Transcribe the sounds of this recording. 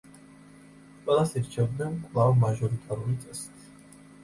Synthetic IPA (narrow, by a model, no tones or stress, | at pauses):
kʼwɛlˠasiɾt͡ʃʰɛvd̪nɛnkʼlˠavmaʒɔɾit̪ʼaɾulit̪sʼɛsi̥t̪ʰi